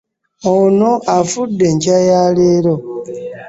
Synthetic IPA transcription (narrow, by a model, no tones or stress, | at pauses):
onoʔafudːe̞ɲcajaleːɾo